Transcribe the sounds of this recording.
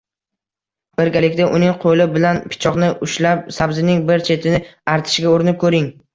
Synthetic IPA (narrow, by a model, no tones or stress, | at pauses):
b̥ɪɾɡʲalɪkʲd̪aʔʊnɪŋqʰolɪbɪlanpʰɪ̥t͡ʃʰɒqnɪʔʊʃlap̚sabzɪnɪŋbɪɾt͡ʃʰe̞t̪ʰɪnɪaɾt̪ʰɪ̥ʃɡʲaoɾɪnɪp̚kʰɵɾɪŋ